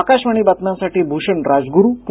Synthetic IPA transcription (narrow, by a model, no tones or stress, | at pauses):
akaɕʋaɳ̃iːbat̪nãsaʈiːbʱuɕəɳɾad͡zɡuɾup